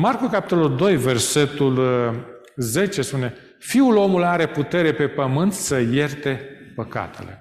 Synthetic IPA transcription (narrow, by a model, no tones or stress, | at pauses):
markukapi̥t̪o̞luld̪o̞jve̞rse̞t̪ul | ze̞t͡ʃe̞spune̞ | fiulo̞mulaɾe̞put̪e̞ɾe̞pe̞pəmɨnt̪səje̞rt̪e̞ | pəka̰t̪ʰe̞̰le̞̰